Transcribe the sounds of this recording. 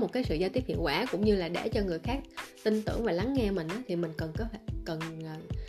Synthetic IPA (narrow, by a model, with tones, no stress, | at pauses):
mo˨˩t̚kaː˨˦jsɨ̰˧˨ja˧t̪i˦˥əp̚hḭ˧˨ənkwaː˧˩kʊ̰˧˥wŋ͡mɲɨ˧laː˨˩ɗɛ̰˧˩t͡ɕɔ˧ŋɨ˨˩əjxaː˦˥k̚t̪ï˧ŋt̪ɨ̰˧˩əŋvaː˨˩la˨˦ŋːŋɛ˧mï˨˩ŋ̟ʔaː˨˦t̪ʰi˨˩mï˨˩ŋ̟kə˨˩nkɔ˨˦tʰkə˨˩nː˨˩